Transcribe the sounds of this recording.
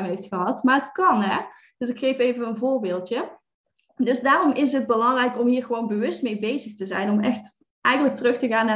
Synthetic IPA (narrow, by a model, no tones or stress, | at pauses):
mɦejftxəɦɑtmaːrətkɑnɦɛ | d̥ɵsɪkxejfejvənənvʊːɹbɪːlˠtjə | dɵsdaːrɔmɪsɦəd̚bəlɑŋrɛjkɔmɦiːɹɣəʋownbəʋɵst̚mejbejzəxtəzɛjnɔmɛ̰xt | ʔɛjɣənlək̚tərɵxtəɣaːnaː